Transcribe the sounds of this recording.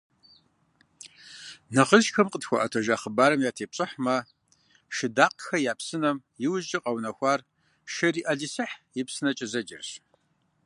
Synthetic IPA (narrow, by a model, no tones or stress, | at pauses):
nɐχəʃxɐmqətxʷɔʔɐtʰoʒaːχəbaːɾɐmjaːtʰeːp̚ɕʼɪħmɐ | ʃɪdaːqxɐjaːpsɨnɐmjɪwʒt͡ʃʼɪqʼɐwnɐxʷɑːr | ʃɐriːʔɐɮisɨħjɪpsɨnɐt͡ʃʼɪzɐd͡ʒɪ̰rɕ